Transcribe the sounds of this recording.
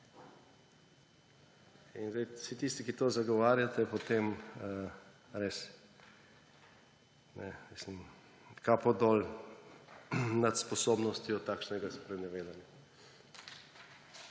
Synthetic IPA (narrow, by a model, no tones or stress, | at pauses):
inzd̪ɛjsit̪ist̪ikit̪oːzaɡɔʋaːɾjat̪ɛpɔt̪eməɾes | nɛmislim | kapɔd̪ɔl | nat̪spɔsoːbnɔst̪jɔt̪ːaːkʃnɛɡaspɾɛnɛʋeːd̪anja